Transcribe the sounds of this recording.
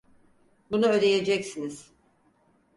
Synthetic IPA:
bunuøɾe̞je̞d͡ʒɛcsiniz̥

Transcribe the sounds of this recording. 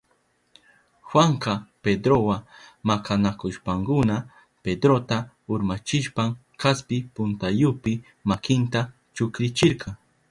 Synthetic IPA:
xwaɴqɑped̪ɾowamakʰanakʊʃpaŋkʊna | ped̪ɾot̪a | ʊɾmat͡ʃɪʃpaŋ | kaspɪpʊnt̪ajʊpɪ | makɪnt̪a | t͡ʃʊkɾɪt͡ʃɪɾqʰɑŋ

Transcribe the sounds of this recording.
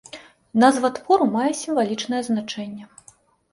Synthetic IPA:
nɐzvat̪vɔɾumajɛsʲimvalʲit͡ʂnɐjɛznat͡ʂɛnʲːɛ

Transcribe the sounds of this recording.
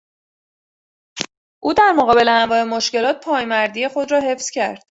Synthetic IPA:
ʔuːd̪æɾmoɣɒːbe̞leæmvɒːe̞moʃce̞lɒːt̪̚pʰɒːjmæɾd̪ije̞xo̞d̪rɒːɦe̞fz̥cʰæ̰ɾd̪̥

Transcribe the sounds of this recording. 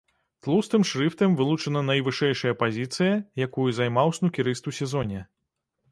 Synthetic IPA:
t̪lˠust̪ɨmʂɾɨft̪ɨmvɨlˠut͡ʂɐnɐnɐjvɨʂɛjʂɐjɐpazʲit̪sɨjɐjakujuzajmawsnukʲiɾɨst̪usʲɛzɔnʲɛ

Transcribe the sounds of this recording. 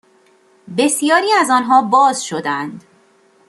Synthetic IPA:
be̞sijɒːɾiːæzɒːnɦɒːbɒːzʃo̞d̪ænd̪

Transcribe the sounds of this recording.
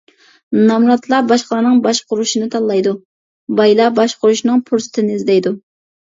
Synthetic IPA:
nɑmɾɑt̪lˠɑbɑʃqəlˠɑnɨŋbɑʃqʊɾuʃinɨt̪ʰɑlˠːɑjd̪u | bɑjlˠɑbɑʃqʊɾuʃnɨŋpʰuɾsɨ̥t̪ʰɪnɪzd̪ɛjd̪u

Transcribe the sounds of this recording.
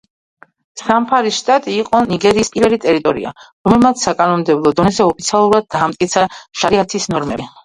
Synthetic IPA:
sampʰaɾisʃt̪ʼat̪ʼiːqʼɔniɡɛɾiːspʼivɛlit̪ʼɛɾit̪ʼɔɾḭa̰ɾɔmɛlˠmat̪sʰsːakʼanɔmd̪ɛblˠɔd̪ɔnɛzɛɔpʰit̪sʰialˠuɾad̪̚d̪aːmt̪ʼkʼit̪sʰaʃaɾiat̪ʰisnɔɾmɛ

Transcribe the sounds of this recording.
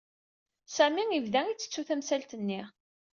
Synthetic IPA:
sæmiŋivðæit͡sːə̥t͡sːuθæmsælt̪ənːi

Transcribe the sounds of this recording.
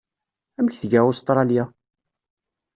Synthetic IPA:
æməçθəʝæust̪ˤɾˤɑlja

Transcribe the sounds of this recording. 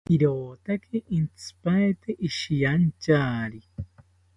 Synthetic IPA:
iɾoːt̪akʰeʔint͡sʰɨ̥paet̪eʔiʃijant͡ʃaːɾi

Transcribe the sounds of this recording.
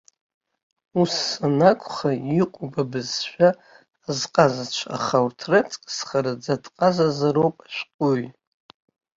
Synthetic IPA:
usːanakʷʰʼχaiqʷʼubabɨzʃᶣaː | zqʼazat͡ʃʷʰa̰χawrtʰrat͡sʼkʼsχaɾad͡zadʼqʼazazaɾowpʼḁʃʷᶣqʼuj

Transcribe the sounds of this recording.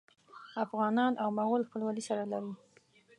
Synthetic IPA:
afɣɑnɑnʔawmaɣolxpəlwalisaɾalaɾi

